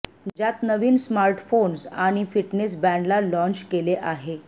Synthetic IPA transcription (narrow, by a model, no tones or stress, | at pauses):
d͡ʑjat̪nəʋiːnsmaɾʈfonsaɽ̃ifiʈnes̬bɛ̃ɳɖlalɔ̃ɲt͡ɕkeleʔaɦe